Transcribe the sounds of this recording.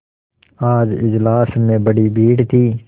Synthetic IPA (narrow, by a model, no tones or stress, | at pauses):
aːd͡ʒɪ̰d͡ʒlaːsmẽbɐɽibiːɽt̪ʰiː